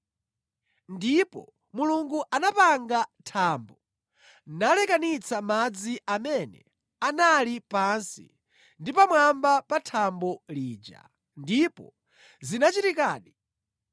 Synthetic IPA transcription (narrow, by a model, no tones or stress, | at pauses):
ndipɔ̰ | muluŋɡuʔanapaŋɡatʰaːmbɔ | nalɛkanit͡samad͡ziʔamɛnɛ̰ | analipansḭ | ndipamwambapatʰambɔliːd͡ʒa̰ | ndipɔ̰ | zinat͡ʃitikaːɗi